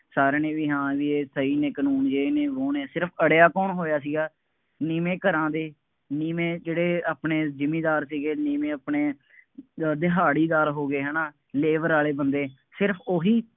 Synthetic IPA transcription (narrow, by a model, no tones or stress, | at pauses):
saːɾeːnẽːʋiːɦãːʋiːeːsəiːnẽːkənuːnd͡ʒeːeːnẽːʋoːneːsɪɾpʰəɽjaːkɔːnɦoːjaːs̬iːɡaː | niːmẽːkəɾãːd̪eː | niːmẽːd͡ʒeːɽeːaːpɳeːd͡ʒɪmĩːd̪aːɾsiːɡeːniːmẽːəpneː | d̪ɪɦaːɽiːd̪aːɾɦoːɡeːɦɛːnaː | leːʋəɾaːleːbənd̪eː | sɪɾpʰoːɦiː